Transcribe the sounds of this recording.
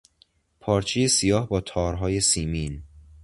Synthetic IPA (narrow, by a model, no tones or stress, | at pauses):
pʰɒːɾt͡ʃʰejesijɒːɦbɒːt̪ʰɒːɾɦɒːje̞siːmin